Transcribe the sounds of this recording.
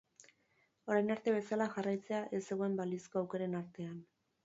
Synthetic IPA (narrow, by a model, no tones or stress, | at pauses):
o̞ɾajnaɾt̪e̞βe̞salaxarajt͡se̞aʔe̞se̞ɣoe̞mbalisko̞awke̞ɾe̞naɾt̪e̞an